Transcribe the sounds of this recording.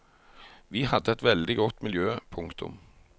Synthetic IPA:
ʋiːhɑd̪ːəɛt̪ʋɛld̪ɪɡɔt̪ːmɪljøːpʰʊŋkt̪ʰʊ̰m

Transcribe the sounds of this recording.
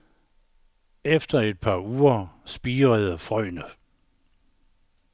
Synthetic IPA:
efd̥ɐed̥̚pʰɑ̈ːuːɐsb̥iːʁəð̩ˠfʁɒɪ̰nə

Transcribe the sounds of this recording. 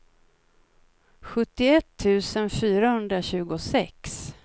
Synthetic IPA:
ɧɵt̪ːɪɛt̪ʰːʉ̟ːsənfyːɾahɵnd̪ɾaɕʉ̟ːɡʊsɛks

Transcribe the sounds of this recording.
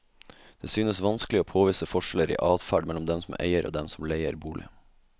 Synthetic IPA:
d̪̥eːsyːnəsʋɑnsklɪoːpʰoːʋiːsəfɔʂələɾḭːʔɑːd̪fæɖmɛlɔmd̪ɛmsɔmʔḛɪəɾʔo̰ːd̪ɛmsɔmleɪə̰ɾbuːɭɪ̰

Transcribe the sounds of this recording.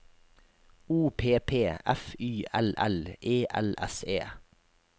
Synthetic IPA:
uːpʰeːpʰeːɛfyːʔɛlʔɛleːʔɛ̰lɛ̰seː

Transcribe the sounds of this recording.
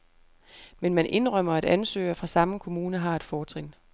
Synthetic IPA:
menmænʔe̝nʁɶm̰ɐæd̥ænsø̰ːɐfʁɑ̈sɑ̈məkʰo̝muːnəɦɑ̈ːe̝d̥fɒːt͡sʰʁen̰

